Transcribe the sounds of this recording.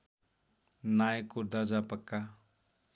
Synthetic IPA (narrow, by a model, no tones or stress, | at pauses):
najkuɾd̪ad͡ʒapəkːa